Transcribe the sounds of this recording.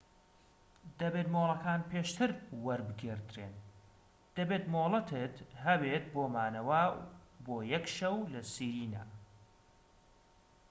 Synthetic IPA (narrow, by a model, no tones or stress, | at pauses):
d̪ɐbet̪moːlˠɐkaːnpʰeːʃt̪ʰɨɾwɐɾbɨɡeɾd̪ɾeːn | d̪̥ɐbeːt̪moːlˠɨt̪ʰɨt̪ɦɐbet̪̚boːmaːnɐwɐboːjɛkʃɐwlɐsiːɾiːna̰